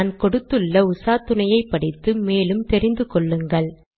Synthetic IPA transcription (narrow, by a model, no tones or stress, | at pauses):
nkɔɽɯt̪ːɯɭːɐʊsaːt̪ɯnɐjɐɪpːɐɽɪt̪ːɯmeːlɯmt̪ɛɾɪnd̪ɯkɔɭːɯŋɡɐɭ